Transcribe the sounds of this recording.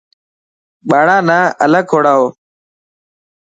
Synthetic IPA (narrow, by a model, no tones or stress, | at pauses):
ɓaːɽãːnãːʔələkʰːoːɽaːoː